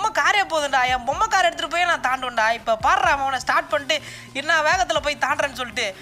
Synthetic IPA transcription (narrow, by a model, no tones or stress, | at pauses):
mːɐkaːɾɪjɐpoːðɯɳɖaːjɐ̃ːbɔmːɐkaːɾɛɽɯt̪ːɯʈɯp̬ːoːjenãːt̪aːɳɖɯʋɐɳɖaːɪpːɐpaːɾɾaːmɐːʋɐnɐsʈaːɾʈ̚pɐɳɪʈːɯ | ɪnːaːʋeːɣɐt̪ːɪlɐpoːjit̪aːɳɖɾɐ̃ːnɖɯsɔlːɪʈːɯ